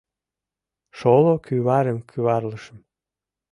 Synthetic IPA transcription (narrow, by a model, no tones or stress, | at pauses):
ʃolokʰyβɑɾəmkʰyβɑrləʃəm